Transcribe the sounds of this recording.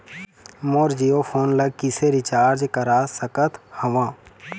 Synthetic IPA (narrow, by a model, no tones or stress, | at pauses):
moːɾd͡ʒijopʰoːnləɡ̚kɪseɾɪt͡ʃaːɾd͡ʒkəɾaːsəkət̪ʰhəʋãː